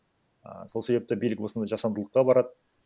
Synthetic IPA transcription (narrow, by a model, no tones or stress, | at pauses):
ə̰so̞lˠse̞be̞p̚t̪ɪbijlɪkwo̞snd̪ɑʒɑsɑnd̪əlˠəqːɑbɑɾɑd̪ə